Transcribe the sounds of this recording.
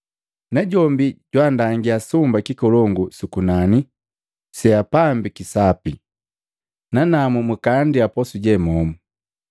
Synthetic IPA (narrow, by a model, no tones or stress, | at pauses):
naɟɔmbiɟwandaŋɡiasumbakikɔlɔŋɡusukunani | sɛapambikisapi | nanamumukandiapɔsuɟɛmɔmu